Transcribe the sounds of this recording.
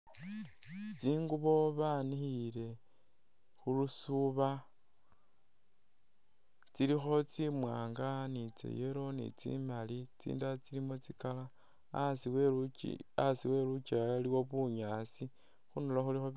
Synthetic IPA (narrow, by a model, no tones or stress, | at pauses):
t͡siːŋɡuβo̞βanixile̞ | xulusuβa | t͡siɾixo̞t͡simwaːŋɡanit͡sḛjeɾo̞nḭt͡sḭmalit͡sḭːndat͡silimut͡sikala | sie | asiwe̞lut͡ʃiajaliwoβuɲaːsi | xunolaxulixo